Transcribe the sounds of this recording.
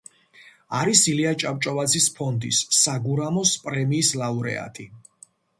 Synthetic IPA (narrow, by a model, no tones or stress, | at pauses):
aɾisiliat͡ʃʼap̚ʼt͡ʃʼɔvad̪zispʰɔnd̪ḭsːaɡuɾamɔspʼɾɛmiːslauɾɛ̰a̰t̪ʰi